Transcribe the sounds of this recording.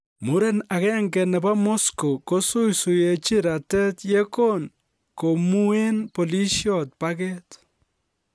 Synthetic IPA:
mu˦ɾɛ˦na˨kɛ˦ŋɡɛ˨nɛ˨ba˦mo˦sko˨ko˦su˦jsu˨je˨t͡ʃi˦ɾa˨tɛ˦tje˦ko˦n | ko˨mu˦e˦npo˨li˦ʃjɔ˨t̚pa˦kɛ˦t

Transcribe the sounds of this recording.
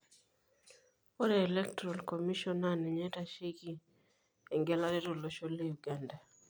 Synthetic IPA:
o˦ɾɛː˨lɛ˦ktɔɾa˨lkomi˦ʃɔ˦na˦nɛ˨ɲɛ˦ta˨ʃe˦ɡi˦ | ɛ˨ŋɡɛ˦la˦ɾɛ˦ɾo˨lo˨ʃo˦le˦ju˨ɡanda˨

